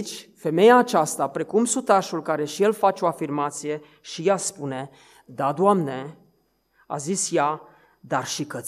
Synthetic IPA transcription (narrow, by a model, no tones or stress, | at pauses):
t͡ʃʲfe̞me̞jaːt͡ʃast̪apɾe̞kumsut̪aʃulkaɾe̞ʃije̞lfat͡ʃeo̞afirmat̪sije̞ | ʃijaspune̞ | d̪ad̪wamne̞ | a̰zisja | d̪arʃikət̪ʲ